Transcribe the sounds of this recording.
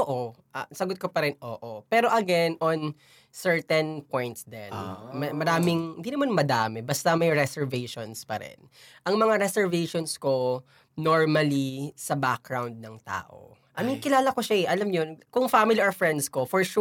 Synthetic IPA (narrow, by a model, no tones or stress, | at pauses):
oʔoʔɐsɐɡʊt̪̚kopɐɾɪnʔo̰ːʔopɛːɾo̞ʔɐɡɛnon | sɛɹt̪ɛnpõjnt̪sd̪ɛ̰nmɐmɐɾaːmɪŋhɪnd̪iːnɐmanmɐd̪aːmɛbɐst̪ɐmɐjɹɛsɛɹvejʃonspɐ̰ɾɛ̰n | ʔɐŋmɐŋaɾɛsɛɹvejʃonsko | noɹmɐlisɐbak̚ɡɹawnd̪̚nɐŋt̪a̰ːʔo̰ | ʔɐmiŋkɪlaːlɐkoʃaɛʔɐlɐmɲonkʊŋfamɪlioɹfɹɛnd̪skofɔɹʃu